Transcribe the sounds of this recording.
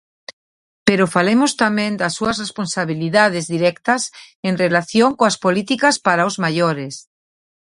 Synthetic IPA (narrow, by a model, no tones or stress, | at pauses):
peɾofalemost̪amẽnd̪ɐsuɐzresponsaβiliðað̞ezðiɾɛkt̪ɐs | enrelaθjoŋkoaspolit̪ikaspaɾaozmaʎoɾes